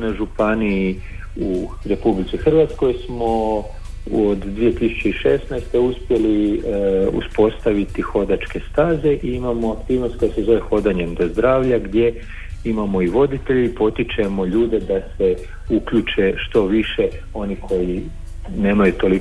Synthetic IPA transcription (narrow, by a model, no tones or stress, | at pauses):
naʒupani | u | ɾe̞publitsixr̩ʋat̪sko̞jsmo̞ | od̪d̪ʋije̞t̪isu̥t͡ɕe̞iʃe̞snajst̪e̞uspje̞li | ṵspo̞st̪aʋit̪ixo̞d̪at͡ʃke̞st̪aːze̞ʔiimamoakt̪iːʋno̞st̪̚ko̞jase̞zo̞ʋe̞xo̞d̪aɲe̞md̪o̞zd̪ɾaːʋʎaɡd̪je̞ | imamo̞iʋo̞d̪it̪e̞ʎiipo̞t̪it͡ʃe̞mo̞ʎuːd̪e̞d̪ase̞ | ukʎut͡ʃe̞ʃt̪o̞ʋiʃe̞ | o̞nikʰo̞ji | ne̞ːmajut̪o̞li